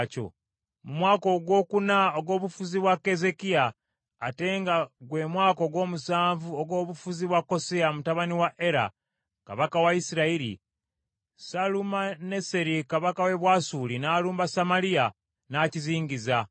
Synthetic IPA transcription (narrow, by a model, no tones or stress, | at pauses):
co̞̰ | mumwaːko̞ɡwo̞ːkunaoɡo̞ːβufuziβwakːe̞ze̞kiaː | te̞ːŋɡaɡwe̞mwaːko̞ɡwo̞ːmusaːɱvuoɡo̞ːβufuziβwakːo̞seamutaβaniwaʔe̞ɾa̰ | ka̰βakawaisiɾaiɾḭ | salumane̞seɾikaβakawe̞βwasulinaːluːmbasamalia | naːciziːɲɟiza